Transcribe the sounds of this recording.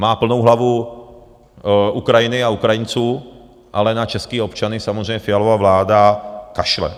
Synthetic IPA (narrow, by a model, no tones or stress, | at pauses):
maːpl̩nowɦlavu | ʔukɾajɪnɪaukɾajɪnt͡suː | ʔa̰lɛnat͡ʃɛskiːopt͡ʃanɪsamozrɛjɲɛfɪalovavlaːdakaʃlɛ̰